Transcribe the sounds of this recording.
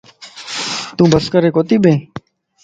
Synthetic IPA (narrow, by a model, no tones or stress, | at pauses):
t̪ũːbəskəɾeːkoːt̪iːɓẽː